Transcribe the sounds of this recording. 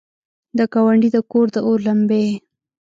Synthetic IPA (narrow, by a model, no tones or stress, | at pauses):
d̪əkawaɳɖid̪əkoɾd̪əoɾlambe